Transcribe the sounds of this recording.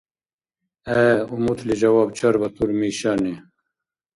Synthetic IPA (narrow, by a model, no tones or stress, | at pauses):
ɛumut̪ʰlid͡ʒɐwaːbt͡ʃʰɐɾbɐt̪uɾmiːʃaːne